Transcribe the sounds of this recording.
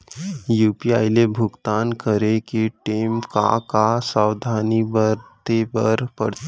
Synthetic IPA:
juːpiaːjlebʱʊɡt̪aːnkəɾekiʈeːmka̰kasawd̪ʱaːnibəɾt̪ebəɾpəɽt̪

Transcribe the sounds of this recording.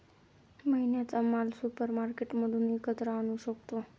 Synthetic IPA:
məɦinat̪əmalsupəɾmaɾkeʈməd̪unikət̪ɾaənuʃəkt̪o

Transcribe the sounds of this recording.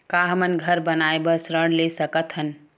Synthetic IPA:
kaɦəmənɡʱəɾbənaebəsɾəɽ̃lesəkət̪ɦən

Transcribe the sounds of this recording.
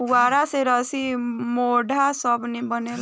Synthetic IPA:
waɾaseɾəsimoɖʱasəbʱnebənel

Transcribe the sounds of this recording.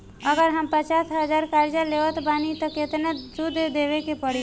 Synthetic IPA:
əɡəɾɦəmpət͡ʃaːsɦəd͡ʒaːɾkaːɾd͡ʒaleːʋət̪baːnit̪okɪt̪ned͡ʒud̪ʱd̪eːʋekepəɽ̤i

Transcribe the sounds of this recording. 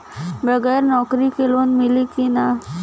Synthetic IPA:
bɐɡɛːɾnɔːkɾikeloːnmɪlikina

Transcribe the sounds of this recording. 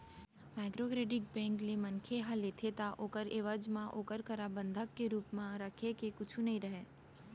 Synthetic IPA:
maːɪkɾokɾeːɖɪk̚bɛ̃ːŋklemənkʰeɦãlet̪ʰet̪aʔoːkəɾeːʋəd͡ʒmãʔoːkəɾkəɾabə̃nd̪ʱəkːeɾuːpmãɾəkʰekekʊt͡ʃʰũnɐɦĩɾɐɦeː

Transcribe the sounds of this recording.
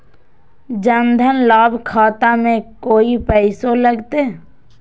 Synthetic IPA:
d͡ʒənd̪ʱənlaːbkʰaːt̪amẽkoːipɛɪsoləɡt̪eː

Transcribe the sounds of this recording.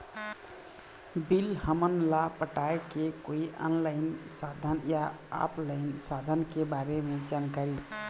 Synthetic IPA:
bilhəmənlapəʈaekekoiʔɔ̰nlaɪnsad̪ʱənjaa̰plaɪnsad̪ʱənkebaɾemed͡ʒankaɾi

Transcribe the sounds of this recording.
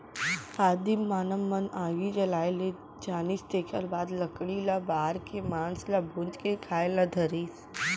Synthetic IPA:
aːd̪imːaːnəmːɐnaːɡid͡ʒɐlaːele | d͡ʒaːnist̪eːkəɾbaːd̪lɐkɽilabaːɾkemaːnslabʱʊ̃d͡ʒkekʰaːelad̪ʱɐɾiːs

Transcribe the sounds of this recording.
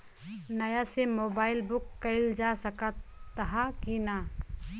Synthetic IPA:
nəjasemoːbaːɪlbʊkːəɪld͡ʒasəkət̪ːɦakina

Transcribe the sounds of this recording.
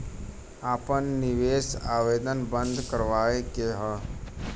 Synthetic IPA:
aːpənːiʋeːsaːʋeːd̪ənbənd̪ʱkəɾʋaːjkeɦə̃

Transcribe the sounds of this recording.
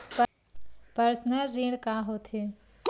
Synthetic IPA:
p | pəɾsnəɾːeːɽkaːɦoːt̪ʰeː

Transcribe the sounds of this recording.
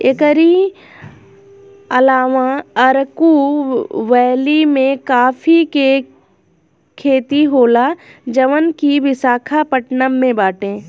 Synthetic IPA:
ekəɾi | ɐlaːʋãəɾku | ʋɛːlimẽkaːfʰike | kʰeːt̪iɦoːlad͡ʒəʋənkiʋɪsaːkʰapəʈnəmːẽbaːʈẽː

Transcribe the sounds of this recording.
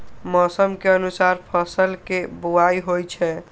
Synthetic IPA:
mɔsəmkeənusaɾpʰəsəlkebuajɦojt͡ʃʰɛ

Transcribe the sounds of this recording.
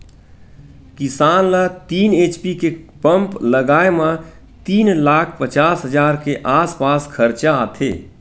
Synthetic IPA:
kɪsaːnlat̪iːneːt͡ʃpikepə̃mpləɡaːemã | t̪iːnlaːkʰpət͡ʃaːsɦəd͡ʒaːɾkeʔaːspaːskʰəɾt͡ʃat̪ʰḛː

